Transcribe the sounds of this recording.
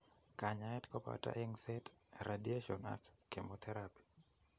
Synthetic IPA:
kaɲaɛtkɔpa̰ta̰ʔɛŋsɛtɾadieʃɔna̰kːemɔtʰɛɾapi̥

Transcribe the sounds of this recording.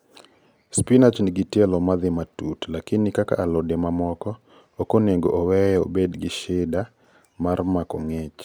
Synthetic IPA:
spinat͡ʃniɡitjɛlɔmad̪ɪmatutlakɪnɪkaka̰ʔːlɔdemamɔkɔ | okoneŋɡoʔowɛɛo̰bedɡɪʃɪda | marmakɔŋɛt͡ʃ

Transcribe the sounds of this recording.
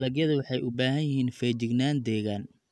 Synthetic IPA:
lɐɡjɐðɐwɑħɑjʔʊbaːɦɐnjɪhiːnfɛːt͡ʃɪɡnaːnd̪ɛːɣaːn

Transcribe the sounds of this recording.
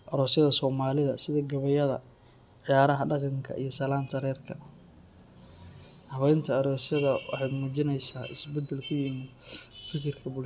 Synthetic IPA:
ʔɐɾɔːsjɐðɐsɔːmaːlɪðɐsɪðɐɡɐβɐjɐðɐ̰ | ʕɪjaːɾɐɦɐɖɑqɑŋkʰɐ̰ʔḭjɞsɐlaːnt̪ʰɐɾɛːrkʰɐ | hɐβɛjnt̪ʰɐːɾɔːsjɐðɐwɑ̰ħɑjmuːt͡ʃɪnɛjsaːʔɪ̰sbɛd̪ːɛlkʰʊjɪmɪd̪fɪkʰɪrkʰɐbʊl

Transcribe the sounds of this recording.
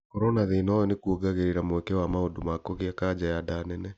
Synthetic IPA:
kɔɾɔnaðenɔjɔnekuoɡaɣeɾeɾamwɛkɛwamaodomakoɣeakad͡ʑajadaːnɛnɛ

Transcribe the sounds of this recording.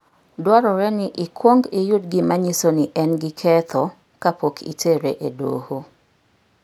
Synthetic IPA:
dwaɾɔɾɛnɪʔɪkʰwoŋɡɪjʊdɡɪmaɲisoniʔɛnɡɪkʰɛt̪ʰɔ | kapokʰḭtʰeɾeʔedo̰ho

